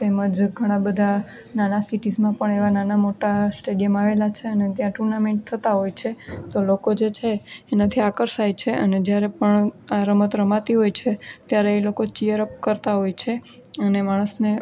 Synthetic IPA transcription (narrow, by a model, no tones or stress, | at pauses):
t̪eməd͡ʒɡʱəɽ̃ãbəd̪ʱa | nanasiʈid͡ʒmãpəɳeʋananamoʈasʈeɖijəmaʋelat͡ʃʰeənet̪jãʈuɾnamẽɳʈ̚t̪ʰət̪aɦojt͡ʃʰet̪olokod͡ʒet͡ʃʰeːnat̪ʰiakəɾsajt͡ʃʰeʔə̰ned͡ʒjaɾepəɳaɾəmət̪ɾəmat̪iɦojt͡ʃʰet̪jaɾeːlokot͡ʃijəɾəp̚kəɾt̪aɦojt͡ʃʰe | ənemaɽ̃əsne